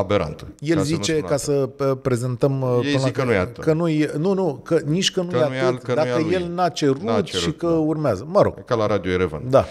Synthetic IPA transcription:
abeɾa̰nt̪əje̞lzit͡ʃe̞kasəpɾe̞ze̞nt̪əmpɨnlaknakənujnunukəniʃʲkənujatɨd̪akəjje̞lnat͡ʃe̞ɾut̪ʃikəurmeazəməɾo̞̰ɡ̥kalaɾad̪ioeɾeva̰nd̪a

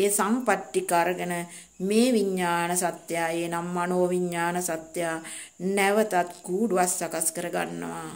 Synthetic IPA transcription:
esampaʈːikaɾəɡənə | meːʋiɲːaːnəsat̪jaːjeːnamːanoːʋiɲːaːnəsat̪jaː | nɛʋət̪at̪ɡuːɖʋasːakaskəɾəɡa̰nːə̰ʋaː

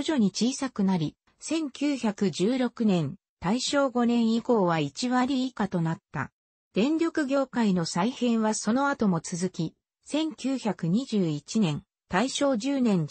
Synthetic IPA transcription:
oʑo̞ɲ̟it͡ɕiːsakɯ̟naɾʲi | sẽ̞ŋkʲɨːçakɯ̟ʑɨːɾo̞kɯ̟nẽ̞n | t̪aiɕo̞ːɡo̞nẽ̞ɰ̃iko̞ːβait͡ɕiβaɾʲiːkat̪o̞nat̪ːa̰ | d̪̥ẽ̞nɾʲo̞kɯ̟ɡʲo̞ːkaino̞saihẽ̞ɰ̃βaso̞no̞at̪o̞mo̞t͡sɨzɨkʲi | sẽ̞ŋkʲɨːçakɯ̟ɲ̟iʑɨːit͡ɕinẽ̞n | t̪aiɕo̞ːd͡ʑɨːnẽ̞n

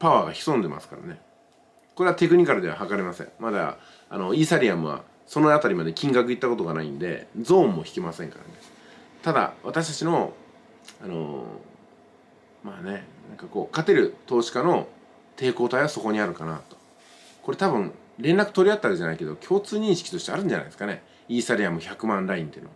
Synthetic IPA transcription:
paβaːɡaçi̥sõ̞nd̪e̞ma̰sɨ̥ka̰ɾa̰ne̞ | ko̞ɾe̞at̪e̞kɯ̟ɲ̟ikaɾɯ̟d̪e̞aɦakaɾemasḛ̃ɴmad̪a̰ | a̰no̞iːsaɾʲiamɯ̟βa̰ | so̞noat̪aɾʲimad̪e̞kʲĩŋɡakɯ̟it̪ːako̞t̪oɡanaḭ̃nd̪e̞̰d͡zõ̞ːmːo̞çʲi̥kʲimasẽ̞ŋka̰ɾa̰ne̞ | t̪ad̪a̰βat̪aɕi̥t̪at͡ɕino̞ | ano̞̰ | maːne̞nãŋkako̞ːkat̪e̞ɾɯ̟t̪o̞ːɕi̥kano̞ | t̪ʰe̞ːko̞ːt̪aiβaso̞ko̞ɲ̟iaɾɯ̟kanat̪o̥ | ko̞ɾe̞t̪abɯ̟̃ŋ | ɾẽ̞nːakɯ̟t̪oɾiat̪ːaβake̞ʑanaike̞d̪o̞kʲʰo̞ːt͡sɨːɲ̟ĩɕi̥kʲi̥t̪o̞ɕt̪e̞aɾɯ̟̃ɲ̟d͡ʑana̰id̪eɨ̥kane̞ | iːsaɾʲiamɯ̟çakɯ̟mãnɾaĩnt̪einoa

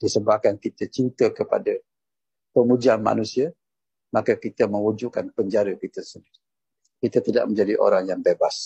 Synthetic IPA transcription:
d̥isəbahkankit̪ət͡ʃint̪əkəpa̰də | pəmud͡ʒianma̰nũsia | makəkit̪əmə̃wud͡ʒukanpəɲd͡ʒaɾəkit̪əsəndiɾi | kit̪ət̪ida̰ʔ̚məɲd͡ʒadiʔo̰ɾaŋjaŋbebas

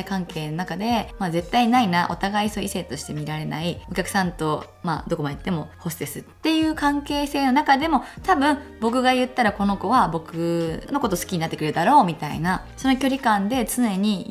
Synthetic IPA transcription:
kãŋke̞ːnonakad̪e̞maze̞t̪ːainainaʔo̞̰t̪aɡaisoise̞ːt̪o̞ɕi̥t̪e̞mʲiɾaɾe̞na̰io̞kʲakɯ̟̥sãnt̪o̞ | ma̰ːd̪o̞ko̞maeit̪ːe̞mo̞ho̞sɨd̪e̞sɨt̪ːe̞jɯ̟ːkãŋke̞ːse̞ːno̞nakad̪e̞mo̞t̪abɯ̟̃ɴbo̞kɯ̟ɡajɯ̟t̪ːaɾako̞no̞ko̞βabo̞kɯ̟no̞ko̞t̪osɨ̥kʲiɲinat̪ːekɯɾed̪aɾo̞ːmʲit̪a̰ḭna | so̞no̞kʲo̞ɾʲikãnd̪e̞t͡sɨne̞ɲ̟i

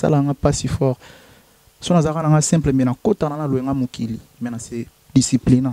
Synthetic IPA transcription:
sa̰laaŋɡapasifɔʁ | sonazakanaŋɡasɛ̃mpləmɛnakotanaaloeŋɡamokilimɛnase | disiplinã

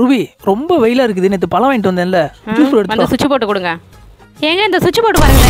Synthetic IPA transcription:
ɾɯʋiɾɔmbɐʋɛjɪlaːɪɾɯk̬ːɯðɯnːɛt̪ːɯpɐlɐ̃ʋeːɳʈɯʋɐnd̪ɐnɪlːɐd͡ʒuːsɾɛɽɯt̪ːɐnkd̪ɐsʊt͡ʃːipoːʈːɯkːʊɽɯŋɡɐ | eːŋɡɐɪnd̪ɐsʊt͡ʃːipoːʈːɯpaːɾɯŋɡɐl

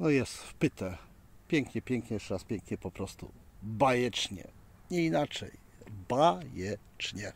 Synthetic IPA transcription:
nɔjɛst̪fpɘt̪ɛ | pʲjɛŋkɲɛpʲjɛŋkɲɛjɛʂtɛɾaspʲjɛŋkɲɛpɔpɾɔst̪ṵbajɛt͡ʂɲɛ̰ | ɲɛinat͡ʂɛ̰jbajɛ | t͡ʂɲɛ

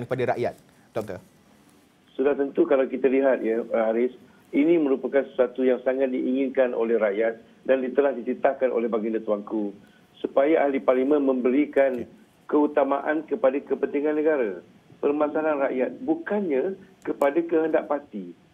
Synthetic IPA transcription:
nkpadaɾa̰ʔjat̪̚ | dɔt̪ə | sudaht̪ənt̪ukalawkit̪aliɦat̪̚jəhaɾɪs | inĩmə̃ɾupakansəsuat̪ujaŋsaŋat̪̚diʔiŋinkanʔo̰lɛhraʔjat̪̚ | dandit̪əlahdisit̪ahkanʔo̰lɛɦbaɡinãt̪uaŋku | supajaʔahliparlimə̃nmə̃mbəɾikan | kəut̪amaʔankəpadakəpənt̪iŋanːəɡaɾa | pərmasalanraʔjat̪̚bukanɲakəpadakəɦəndaʔpat̪i

